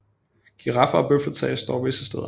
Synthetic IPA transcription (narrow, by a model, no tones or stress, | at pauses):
ɡ̥ʰiʁɑ̈fɐɒ̽b̥øfɐt͡sʰɛɪɐsd̥ɒ̰ːʋe̝sə̥sd̥eð̰ˠɐ